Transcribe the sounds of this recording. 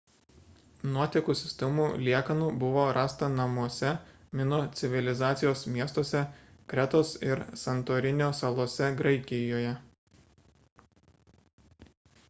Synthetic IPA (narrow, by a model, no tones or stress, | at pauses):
nuɔt̪ʲikusʲɪsʲt̪ʲɛmuːlʲiɛkɐnuːbʊʋoːɾɑːst̪ɐnɐmuɔsʲɛ | mʲɪnoːt̪sʲɪʋʲɪlʲɪzɑːt̪sʲɪjoːsmʲiɛst̪oːsʲɛkɾʲɛt̪oːsɪɾsɐnt̪oːɾʲɪnʲoːsɐlˠuɔsʲɛɡɾɐɪkʲɪjoːjɛ